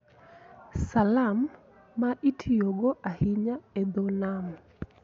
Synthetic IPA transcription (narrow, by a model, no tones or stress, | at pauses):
salamː | aʔitʰijoɡɔʔahiɲaɛd̪ɔnam